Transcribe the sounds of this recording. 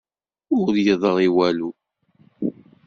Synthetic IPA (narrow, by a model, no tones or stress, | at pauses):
ʊɾjəðˤəʁˤiwælu